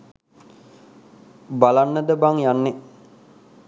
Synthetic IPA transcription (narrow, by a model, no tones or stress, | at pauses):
balanːəd̪əbaŋjanːe